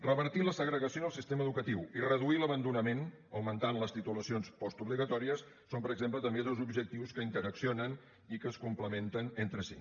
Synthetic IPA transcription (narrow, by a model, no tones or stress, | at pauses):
rəβəɾt̪iləsəɣɾəɣəsioəlˠsist̪eməːðukət̪iwirəðuiləβənd̪unəmen | əwmənt̪anləst̪it̪uləsionspɔst̪uβliɣət̪ɔɾiəsːompəɾəɡzemplət̪əmbeðozubʒək̚t̪iwskəint̪əɾəksionən | ikəːskumpləment̪ənent̪ɾəsḭ